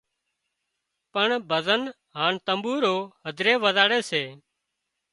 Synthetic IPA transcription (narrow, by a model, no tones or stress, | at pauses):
pəɳbʱəzən | ɦaːɳt̪əmbuːɾoːɦəd̪ʱɾeːʋəzaːɽeːseː